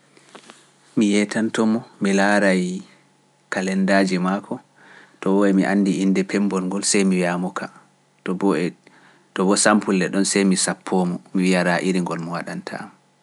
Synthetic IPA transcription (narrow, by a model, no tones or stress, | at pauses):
mijɛtantɔmɔmilaɾaj | kalɛndad͡ʒimakʰɔ | tɔwɔɛmiʔanːdiːndɛpʰɛmbɔlŋɡɔlsɛjmiwiamɔkʰa | tɔbɔsampulːɛɗɔnsɛjmisapʰːɔːmɔmiwiaɾaʔiɾiŋɡɔlmɔwaɗantʰa̰m